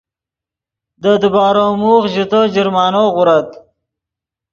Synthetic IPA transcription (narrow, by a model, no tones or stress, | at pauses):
d̪əd̪ubɑːɾomuːχʒut̪od͡ʒɪɾmɑːnoɣʊɾat̪